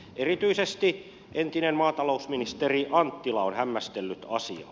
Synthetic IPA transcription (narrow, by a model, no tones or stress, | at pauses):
ʔerit̪yisest̪i | ʔent̪inemmɑːt̪ɑlousminist̪eriʔɑnt̪ːilɑonhæmːæst̪elːyt̪ɑsḭɑ̰